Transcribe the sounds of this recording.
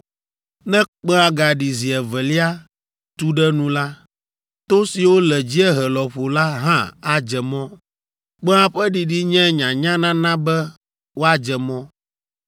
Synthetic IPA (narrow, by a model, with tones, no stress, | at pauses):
nɛ̃˦k͡pɛ̃˦a˦ɡa˨ɖi˨zi˨ɛ˨vɛ˨li˦a˦ | t̪u˦ɖɛ˦nũ˦la˦ | t̪o˦si˨wo˦lɛ˨d͡ʑi˦ɛ˦ɦɛ˨lɔ˨ɸo˨la˦ɦã˦a˨d͡ʒɛ˨mɔ̃˦ | k͡pɛ̃˦a˦ɸɛ˦ɖi˨ɖi˦ɲɛ̃˦ɲã˨ɲã˦nã˦nã˦bɛ˦ | wo˦a˦d͡ʒɛ˨mɔ̃˦